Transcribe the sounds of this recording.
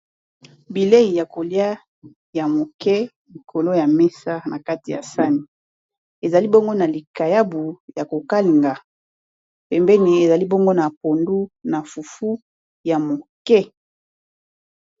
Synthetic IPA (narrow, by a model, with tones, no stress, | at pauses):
bi˨le˦i˨ja˨ko˨lja˦ | ja˨mo˨kɛ˦ | li˨kʰo˨lo˦ja˨mɛ˦sa˦na˨ka˦ti˨ja̰˨sa˦ni˨ | e˨za˨li˦bo˦ŋɡo˦na˨li˨ka˨ja˦bu˨ja˨ko˨ka˦li˨ŋɡa˨ | pɛ˨mbɛ˦ni˨e˨za˨li˦bo˦ŋɡo˦na˨po˨ndu˦na˨fu˨fu˦ | ja˨mo˨kɛ˦